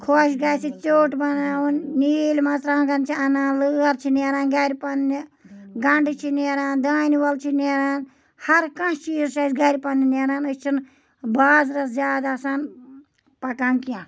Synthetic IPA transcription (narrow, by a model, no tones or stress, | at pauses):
kʰoʃɡajsit͡ʃoːʈbɐnaːwunniːlʲmɐt͡sɾãːnɡɐnt͡ʃʰiɐnaːnlɨːɐɾt͡ʃʰineɾaːnɡɐɾʲipɐnːi | ɡɐɳɖɨt͡ʃʰineɾaːnd̪aːniʋɐlt͡ʃʰineːɾaːn | hɐɾkɐ̃t͡ʃiːzʃɐsɡɐɾʲpɐnːineɾaːnɨt͡ʃʰin | baːzɾɐszjaːd̪asaːn | pɐkankijã